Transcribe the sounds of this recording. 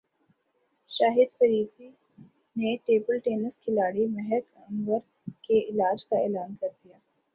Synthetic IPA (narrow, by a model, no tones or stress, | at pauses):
ʃaːɦɪd̪fɐɾiːt̪i | neʈeːbəlʈeːnəskʰɪlaːɽimɛɦɛkɐ̃ŋɡəɾ | keɪlaːd͡ʒkaɛːlaːnkɐɾd̪ijaː